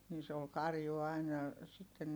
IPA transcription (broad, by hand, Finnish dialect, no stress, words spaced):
ni se ol kɑrju ɑinɑ sitːe